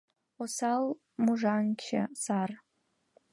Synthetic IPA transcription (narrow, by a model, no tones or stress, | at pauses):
osal | muʐankʲʰa̰sar